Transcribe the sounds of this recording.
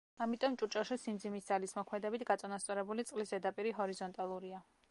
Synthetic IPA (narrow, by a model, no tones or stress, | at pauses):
amit̪ʼɔmt͡ʃʼut͡ʃʼaʃisimd̪zimisd̪zalismɔkʰmɛd̪ɛbit̪ʰɡat̪sʼanast̪sʼɔɾɛbulit̪sʼqʼlisd̪ɛd̪apʼiɾiɦɔɾizɔnt̪ʼalˠuɾia